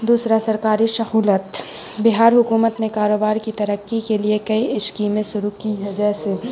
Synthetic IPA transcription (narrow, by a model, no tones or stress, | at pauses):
d̪uːsɾasɐɾkaːɾisɐhuːlət̪ | bɪɦaːɾɦʊkuːmət̪nekaːɾoːbaːɾkit̪ɐɾəkːikeliekɐiɪʃkiːmẽʃʊɾukiɦɛd͡ʒɛːse